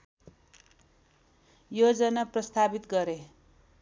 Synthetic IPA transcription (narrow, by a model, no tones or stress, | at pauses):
jod͡zʌnaprʌst̪abit̪ɡʌɾe